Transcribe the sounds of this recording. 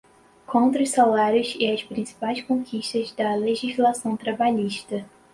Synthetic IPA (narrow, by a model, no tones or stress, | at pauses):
kʰõnt̪ɾɐʊjsalaɾjʊzɪɐspɾĩsi̥pajskõkʰiʃt̪ɐzd̪ɐleʒizlasɐ̃w̃t̪ɾabaʎiʃt̪ɐ